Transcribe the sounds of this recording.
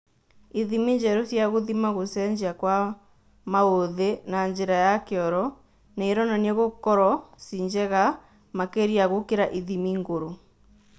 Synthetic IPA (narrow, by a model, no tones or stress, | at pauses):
iðimiɲd͡ʒɛɾosjaɣoðimaɣosɛɲd͡ʑiakwa | maoðenaɲd͡ʑeɾajakeɔɾɔ | neeɾɔnaneɣokɔɾɔsiɲd͡ʑɛɣa | makeɾiaɣokeɾaʔiðimiŋɡoɾo